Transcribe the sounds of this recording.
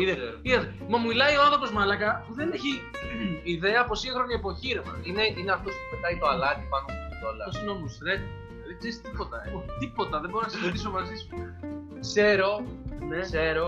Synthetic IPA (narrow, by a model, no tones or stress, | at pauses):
iðeiðɐt̪e | mɐmuilɐioɐnθɾo̞po̞zmɐlɐkɐpuðe̞neçi | iðe̞ɐpo̞siŋxɾo̞niepo̞çiɾemɐ̰ine̞ineɐft̪o̞spupet̪ɐit̪oalɐt̪ipɐnoit̪olɐsino̞musɾet̪ | ðekseɾist̪ipo̞t̪ɐeut̪ipo̞t̪ɐðeboɾonɐsiɾet̪̬iso̞mɐzisu | kse̞ɾo̞neseɾo